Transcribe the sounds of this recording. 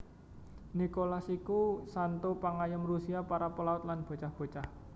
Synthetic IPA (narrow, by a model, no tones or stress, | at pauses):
nikolasikusant̪upaŋajəmrusiapaɾapəlaʊt̪̚lanb̥o̤t͡ʃahb̥o̤t͡ʃah